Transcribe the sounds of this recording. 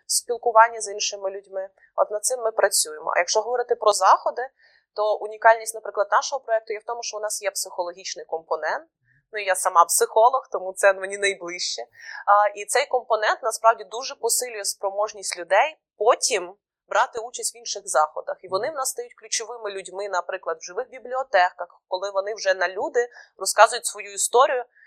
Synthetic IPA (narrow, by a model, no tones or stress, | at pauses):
sʲpʲilˠkʊʋɑnʲːɐzinʃɪmɪlʲʊdʲmɪ | ɔ̰t̪nɐd̪̚sɪmːɪpɾɐt͡sʲujemɔ̰ɐ̰jɐkʃt͡ʃɔɦɔʋɔɾɪt̪ɪpɾɔzɑxɔd̪ɪ | t̪ɔʔʊnʲikɑlʲnʲisʲtʲnɐpɾɪklˠɐd̪nɑʃɔɦɔpɾɔɛk̚t̪ʊjɛwt̪ɔmʊʃt͡ʃɔʊnɑsjɛpsɪxɔlˠɔɦʲit͡ʃnɪjkɔmpɔnɛnt̪̚ | nʊijasɐmɑpsɪxɔlˠɔxt̪ɔmut̪sɛnmenʲinɐjblˠɪʃt͡ʃɛ | it̪sɛjkɔmpɔnɛnt̪nɐspɾɑwdʲid̪uʒɛpɔsɪlʲʊjɛspɾɔmɔʒnʲisʲtʲlʲʊd̪ɛj | pɔtʲim | bɾʔɑt̪ɪut͡ʃɐsʲtʲʋʲinʃɪɣzɑxɔd̪ɐxiʋɔnɪwnɑsːt̪ɐjutʲklʲʊt͡ʃɔʋɪmɪlʲʊdʲmɪnɐpɾɪklˠɐd̪wʒɨʋɪxbʲiblʲiɔt̪ɛkɐxkɔlˠɪʋɔnɪwʒɛnɐlʲud̪ɪrɔskɑzʊjʊtʲsʋɔjuist̪ɔɾʲijʊ